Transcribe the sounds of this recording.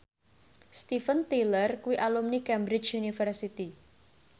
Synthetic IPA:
st̪ifənt̪ilərkuwiʔalumnikɛmbɾɪt͡ʃjunifərsit̪i

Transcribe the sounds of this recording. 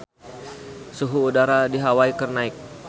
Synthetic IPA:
suɦuːdaɾadiɦawaikərnaik̚

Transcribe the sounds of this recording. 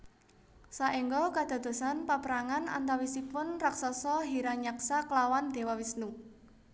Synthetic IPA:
saʔiŋɡɔkad̪̥a̤d̪̥o̤sanpapəɾaŋana̰nt̪awisipʊnraksasɔɦiɾaɲaksaklawand̪̥e̤wawisnu

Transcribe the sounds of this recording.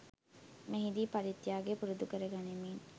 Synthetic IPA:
meɦid̪iːpɐɾit̪ːjaːɡepuɾud̪ukəɾəɡanemiːn

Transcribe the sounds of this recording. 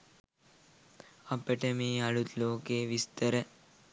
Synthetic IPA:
ɐpəʈəmeːɐɭut̪loːkeːʋist̪əɾə

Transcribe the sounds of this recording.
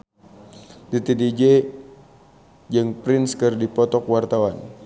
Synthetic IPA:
dit̪eded͡ʒe | d͡ʒəŋpɾɪnskərdipɔt̪ɔkwart̪awan

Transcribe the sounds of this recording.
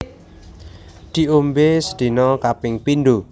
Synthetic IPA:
d̪̥i̤ombesə̥d̪̥i̤nɔkapɪŋpind̪u

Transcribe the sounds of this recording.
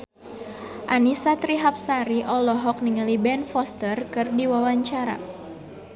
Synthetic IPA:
ʔanisat̪ɾiɦap̚saɾiʔɔlɔɦɔk̚niŋəlibɛnfɔst̪ərkɨrdiwawaɲt͡ʃaɾa̰

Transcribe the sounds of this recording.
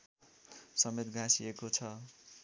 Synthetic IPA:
sʌmet̪ɡʱãsiekot͡sʰʌ

